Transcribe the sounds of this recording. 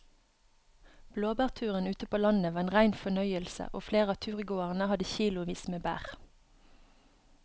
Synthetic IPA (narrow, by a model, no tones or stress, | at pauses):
b̥loːbæːʁt̪ʰʉːʁənʉːt̪əpoːlɑnəʋɑːeːnʁæɪnfɔnœʏəlsə̰ʔoːfleːʁəɑːt̪ʰʉːʁɡoːəʁnəhɑd̪əçiːlʊʋiːsmeːbæ̰ːʁ